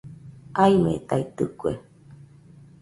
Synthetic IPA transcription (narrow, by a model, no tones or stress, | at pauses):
aimḛ̃t̪ait̪ɨkuḛ